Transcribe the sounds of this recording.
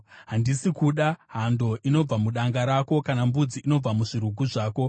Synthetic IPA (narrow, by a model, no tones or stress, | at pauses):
ɦandisikuɗaɦando̞ʔino̞b͡vamuɗaŋɡaɾako̞kanambud͡ziʔːno̞b͡vamuʐiɾuɡʱuʐaːko̞